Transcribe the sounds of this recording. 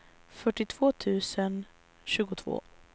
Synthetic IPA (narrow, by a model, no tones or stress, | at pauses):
fœʈːɪt̪ʰv̥oːt̪ʰʉ̟ːsən | ɕʉ̟ːɡʊt̪ʰvo̰ː